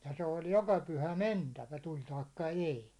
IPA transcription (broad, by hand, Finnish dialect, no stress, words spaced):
jɑ se olʲ jokɑ pyhæ mentæʋæ tulʲ tɑikːɑ eˑi